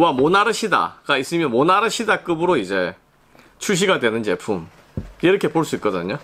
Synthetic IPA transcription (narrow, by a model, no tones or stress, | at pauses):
wamonaɾɯɕʰida̰ɡais͈ɯmjʌnmonaɾɯɕʰidak͈ɯbɯɾoid͡ʑe̞ | t͡ɕʰuɕ̬ʰiɡadwe̞nɯnd͡ʑe̞pʰum | iɾʌkʰe̞poɭs͈uit̚k͈ʌdɯ̰ɲo